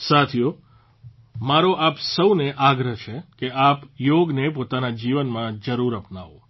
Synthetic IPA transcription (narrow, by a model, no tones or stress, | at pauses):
sat̪ʰijo | maɾoʔapsəwneʔaɡɾəɦt͡ʃʰekeapjoɡnepot̪anad͡ʒiʋənmãd͡ʒəɾuɾəpnaʋo